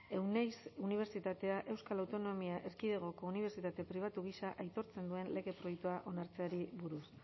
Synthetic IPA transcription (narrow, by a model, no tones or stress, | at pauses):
ewnejsuniβ̞eɾt͡sit̪at̪e̞aʔe̞wskalawt̪o̞no̞miaʔe̞ɾkiðeɣ̞o̞ko̞uniβ̞e̞ɾt͡sit̪at̪e̞pɾiβ̞at̪uɣ̞isaʔajt̪o̞ɾt͡se̞nd̪ue̞nle̞ɣe̞pɾo̞jekt̪uaʔo̞naɾt͡se̞aɾiβuɾus